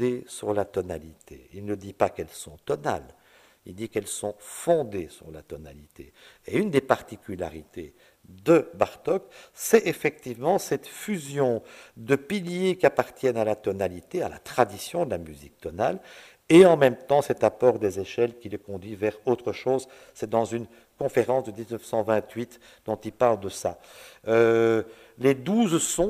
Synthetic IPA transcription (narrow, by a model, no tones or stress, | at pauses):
esyʁlat̪ɔna̰lit̪ʰḛilnəd̪ipakɛlsɔ̃t̪ɔna̰l | ild̪ikɛlsɔ̃fɔ̃d̪esy̰ʁlat̪ɔna̰lit̪ḛeynd̪epaʁt̪ikʲyla̰ʁit̪e | d̪əbaʁt̪ɔksɛefɛk̚t̪ivmɑ̃sɛt̪fyzjɔ̃d̪əpiljekʲiapaʁt̪jɛnalat̪ɔnalit̪eala̰t̪χad̪isjɔ̃d̪əlamyzḭk̚t̪ɔna̰l | eɑ̃mɛmt̪ɑ̃sɛt̪apɔʁd̪ezeʃɛlkʲiləkɔ̃d̪ɥivɛʁot̪χəʃoːz | sɛd̪ɑ̃zyn | kɔ̃feʁɑ̃sd̪əd̪iznəfsɑ̃vɛ̃t̪ɥit̪ | d̪ɔ̃t̪ilpaʁld̪əsa̰ø | led̪uːzsɔ̃